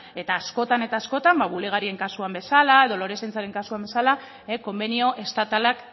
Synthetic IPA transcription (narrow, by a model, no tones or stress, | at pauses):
e̞t̪aːsko̞t̪ane̞t̪aːsko̞t̪ambaβule̞ɣ̞aɾie̞ŋkasuambe̞salae̞ð̞o̞lo̞ɾe̞sent͡saɾe̞ŋkasuambe̞sala | eko̞mbenio̞ʔe̞st̪at̪alak